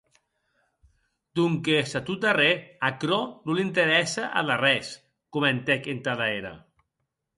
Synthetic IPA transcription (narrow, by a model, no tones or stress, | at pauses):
d̪̥uŋkesat̪ut̪areakɾonulint̪eɾɛsaʔa̰larɛs | kument̪ekent̪aðaeɾa̰